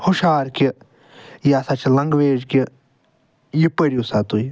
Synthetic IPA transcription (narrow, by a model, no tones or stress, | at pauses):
huʃaːɾki | jaːsat͡ʃʰilɐŋɡʋeːd͡ʒki | jipəɾiusat̪uj